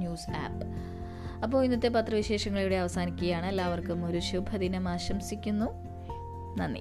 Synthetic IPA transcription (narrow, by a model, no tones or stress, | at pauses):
juːsa̰ːp | ɐp̬ːo̞ːinːɐt̪ːep̬ɐt̪rɐʋiɕe̞ːʂɐŋːɐɭijuɽe̞ɐʋɐsaːnikʲːuɣɐjaːɳɨelːaːʋɐrkɨmo̞ɾuɕubʱɐðinɐmaːɕɐmsikʲːunːu | nɐnːḭ